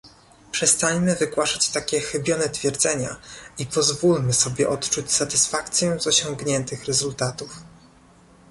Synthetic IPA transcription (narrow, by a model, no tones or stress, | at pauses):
pʂɛst̪aɲmɘvɘɡwaʂat͡ɕt̪akʲɛxɘbʲjɔnɛt̪fʲjɛɾd̪zɛɲa̰ipɔzvulmɘsɔbʲjɛʔɔt̪t͡ʂut͡ɕsat̪ɘsfakt̪sʲjɛzɔɕɔ̃ŋɡɲɛnt̪ɘxɾɛzult̪at̪uf